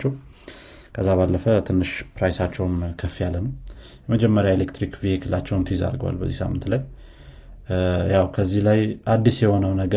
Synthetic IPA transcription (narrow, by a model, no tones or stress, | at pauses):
t͡ʃːɛw | kʰəzːaβalːəfət̪ʰɨnːɨʃpɾajsat͡ʃːɛwnkʰəfːijalːənəw | jɛməd͡ʒɛmːəɾjaelekt̪ɾikvihekʰɨlːat͡ʃːɛwnt̪ʰza̰ɾɡəwa̰lbə̰zːisa̰mːɨnt̪laj | jawkʰəzːihlajʔad̪ːisjɛho̞nəwnəɡə